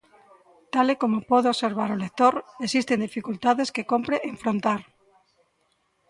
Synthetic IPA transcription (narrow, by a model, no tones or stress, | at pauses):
t̪alekomopoðeoseɾβ̞aɾolek̚t̪oɾesist̪end̪ifikult̪aðeskekompɾeʔeɱfɾont̪aɾ